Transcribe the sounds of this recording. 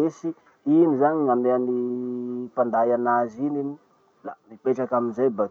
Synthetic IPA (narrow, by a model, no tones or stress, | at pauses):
esi | inizaɲiŋameani | pand̪ajanazinini | lamipeʈ͡ʂakaminzajba